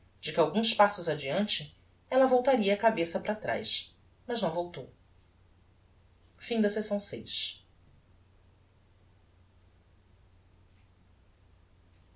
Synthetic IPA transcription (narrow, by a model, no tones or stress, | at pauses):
d͡ʒɪkɪawɡũspasʊzɐd͡ʒiɐ̃nt͡ʃɪ | ɛlɐvowt̪aɾiɐːkabesɐpɾat̪ɾa̰jʃ | mɐʒnɐ̃w̃vowt̪ow | fĩd̪ɐsesɐ̃w̃sḛjʃ